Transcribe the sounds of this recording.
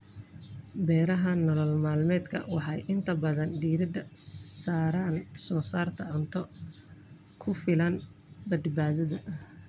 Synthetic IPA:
bɛːɾɐɦɐnɔlɔlmaːlmɛːd̪kʰɐ̰wɑħɑjʔɪnt̪ʰɐbɐðɐnd̪iːɾɪd̪ɐsaːɾaːnsɔːsaːrt̪ʰɐʕʊnt̪ʰɔ | kʰʊfɪlɐn | bɐd̪baːðɐðɐ

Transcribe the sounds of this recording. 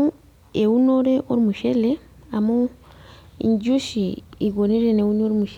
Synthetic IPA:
u | eunoɾeʔoɾimuʃele | amu | ḭɲɟuʃiiɡoniɾeneunoɾimuʃe

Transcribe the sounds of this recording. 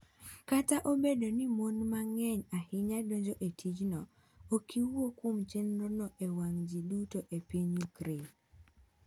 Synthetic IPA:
kataʔobedonimonmaŋɛɲahɪɲadoɲd͡ʒoʔetʰid͡ʒnɔ | okʰiwwokwomt͡ʃenɾonɔʔewaŋd͡ʒidutoʔepiɲukɾe

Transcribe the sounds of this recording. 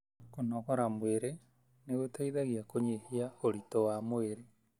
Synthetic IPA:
konɔkɔɾamweɾe | neɣotaiðaɣiakoɲehiaoɾitɔwamweɾe

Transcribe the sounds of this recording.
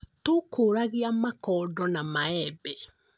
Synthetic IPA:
tokʰoːɾaɣeamakɔdɔnamaɛbɛ

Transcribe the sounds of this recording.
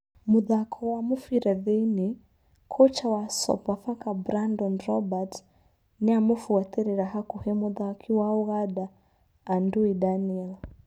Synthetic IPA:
muðakʰɔwamufiɾɛðɛni | kʰɔt͡ʃawasɔ̰pafakabɾandɔnɾɔbat | nɛamufiwat̪ɛɾiɾaɦakuhɛmuðakʰiwaɔɣaɗaː | nduidaniɛl

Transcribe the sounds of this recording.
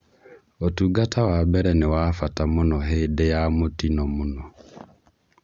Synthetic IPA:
otuɡatawabɛɾɛnewafatamonɔɦeːdejamotinɔmonɔ

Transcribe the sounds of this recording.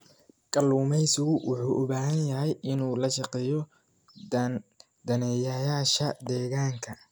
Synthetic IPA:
ɡ̥ʼɐluːmɛjsɪɣʊwʊħuːʔʊbaːɦɐnjɐɦɛjɪnuːlɐʃɑqɛːjɔ | d̪̥ɐnɛjɐjaːʃɐd̪ɛːɣaːŋkʰɐ

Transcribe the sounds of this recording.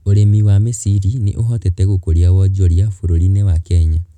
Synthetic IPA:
oɾemiwamesiɾinḛʔoɦɔtɛtɛɣokoɾjawɔd͡ʒɔɾjafoɾoɾinewakɛɲa

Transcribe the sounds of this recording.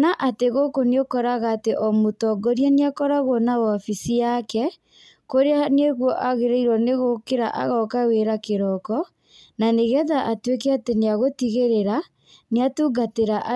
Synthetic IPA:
naʔateɣokoneokɔɾaɣaːteʔɔmotɔɡɔɾjaneakɔɾaɣɔnaafisijakɛ | koɾeaneɣwɔʔaɣeɾeiɾwɔneɣokeɾa̰ʔa̰ɣɔkaweɾakeɾɔkɔ | naneɣɛðaʔatwekɛateneaɣotiɣeɾeɾa | neatuːɡateɾaʔ

